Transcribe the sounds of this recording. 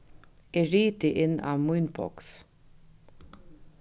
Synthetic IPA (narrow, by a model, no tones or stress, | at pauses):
ɛɹiːt̪ɪʔɪnːa̰vmujnbʰɔ̰ks